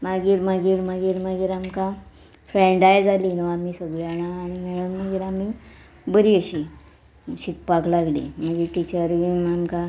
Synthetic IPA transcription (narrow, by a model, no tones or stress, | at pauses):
maɡiːɾmaɡiːɾmaɡiːɾmaɡiːɾamka | fɾeɳɖajd͡zalinəamiːsəɡɭjaɽ̃aːñimeɭ̃ənməɡiːɾami | bəɾiəɕi | ɕit̪̚paklaɡlḭmaɡiːɾʈit͡ɕəɾʋimamka